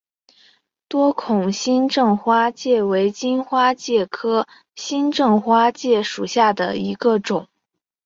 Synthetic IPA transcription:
t̪wɔ˥kʰʊ˨˩ŋɕi˥nʈ͡ʂɤ˥˩ŋxwa˥t͡ɕjɛ˥˩we˧˥ɪt͡ɕi˥nxwa˥t͡ɕjɛ˥˩kʰɤ˥ | ɕi˥nʈ͡ʂɤ˥˩ŋxwa˥t͡ɕjɛ˥˩ʂu˨˩ɕja˥˩d̪ə̰˩i˧˥ɡə˧ʈ͡ʂʊ˨˩˦ŋ

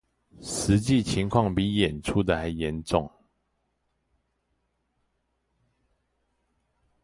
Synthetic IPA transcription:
ʂɻ̩˨˧˥t͡ɕi˥˨t͡ɕʰi˧˥ŋkʰwɑ˥˨ŋpi˨˥˦jɛ˨˩nʈ͡ʂʰu˥˦d̪ə˨xa˨˧˥ɪjɛ˧˦nʈ͡ʂʊ˥˨ŋ

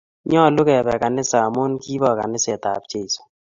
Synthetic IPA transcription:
ɲɔ˦˨lʊ˦kɛ˨bɛ˨ka˨nɪ˦sa˨mo˦nki˦bɔ˨ka̰˨nɪ˦sɛ˨t̪a̰˨bt͡ʃe˦i˨so̥˨

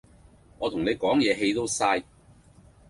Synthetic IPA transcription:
ŋɔː˨˧t̪ʰʊ˨˩ŋne˨˧jkɔː˨˥ŋjɛː˨˧ɦe˧jt̪o˥wsaː˧j

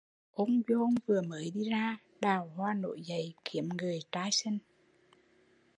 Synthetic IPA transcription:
ʔo˧wŋ͡mzo˧ŋvɨ˨˩əməː˨˦jɗi˧zaː˧ | ɗaː˨˩whwaː˧˩no̰˧˨jzə˨˦jki˨˦əmŋɨ˨˩əjt̪aː˧jsə˧ŋ

